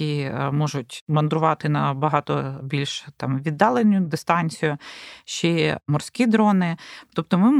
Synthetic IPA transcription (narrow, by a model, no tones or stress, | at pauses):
imɔʒʊtʲmɐnd̪ɾʊʋɑt̪ɪnɐbɐɦɑt̪ɔbʲilʲʃt̪ɑmʋʲid̪ːɑlˠenʲːʊd̪ɪst̪ɑnʲt͡sʲijʊʃt͡ʃɛmɔrsʲkʲid̪ɾɔnɪt̪ɔp̚t̪ɔmɪ